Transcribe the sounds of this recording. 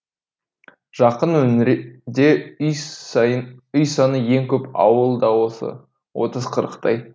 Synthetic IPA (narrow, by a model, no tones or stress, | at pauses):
ʒ̥ɑqənwɵmɾd̪e̞ | ʏjsɑnəje̞ŋkʲʰɵpɑ̰wəlˠd̪ɑwosə̰ | wʔo̞̰t̪əzqʰəɾəqt̪ʰɑj